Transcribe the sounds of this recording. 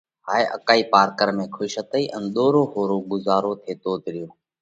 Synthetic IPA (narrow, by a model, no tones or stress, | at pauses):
ɦaːeːʔəkaːiːpaːɾkəɾmẽːkʰʊʃət̪əiːʔənɗ̪oːɾoːhoːɾoːɡʊzaːɾoːt̪ʰeːt̪oːt̪ɾɪjõː